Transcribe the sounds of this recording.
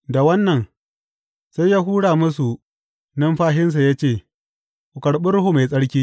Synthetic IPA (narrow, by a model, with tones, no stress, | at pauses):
da˨wɐ˦nːɐ˨n | sa˦jaː˦ɦuː˦ɽaː˨mʊ˦s̬u˨ | nɐ˦mɸaː˦ɦɪ˦ns̬a˨jaː˦t͡ʃeː˦˨ | ku˨kɐ˨ɽɓɪ˦rɽʊ˦ɦu˦ma˨sʼɐ˦ɽkʲiː˦